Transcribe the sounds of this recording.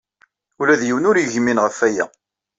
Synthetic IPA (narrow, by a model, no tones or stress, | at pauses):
ʊlæðjiwnʊɾjəʝminʁəfæjæ̰